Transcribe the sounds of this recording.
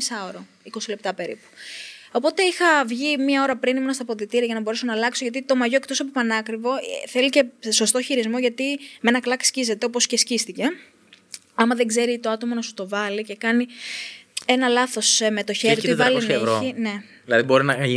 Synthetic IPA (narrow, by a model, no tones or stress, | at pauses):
isɐoɾo | iko̞sile̞p̚t̪ɐpe̞ɾḭpu̥o̞po̞t̪e̞ixɐvʝimɲɐo̞ɾɐpɾinimunɐst̪ɐpoðit̪iɾɐʝɐnɐbo̞ɾeso̞nɐlɐkso̞ʝɐt̪it̪o̞mɐʝokt̪o̞sɐpopɐnɐkɾivo̞θe̞lice̞so̞st̪o̞çiɾizmo̞ʝɐt̪imenɐklɐkscize̞t̪e̞op̬o̞scescist̪ice̞ | ɐmɐðe̞ɡze̞ɾit̪o̞ɐt̪o̞mo̞nɐsu̥t̪o̞vɐlice̞kɐni | e̞nɐlɐθo̞sme̞t̪o̞çeɾɾit̪vɐlisnevɾoine̞ | ðilɐðibo̞ɾinɐʝi